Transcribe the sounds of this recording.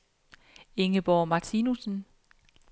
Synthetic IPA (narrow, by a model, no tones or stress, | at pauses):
e̝ŋəb̥ɒːmɑ̈t͡sʰiːnusn̩